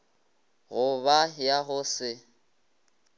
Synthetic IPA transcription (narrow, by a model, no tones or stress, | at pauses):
ɣʊβajaɣʊsɪ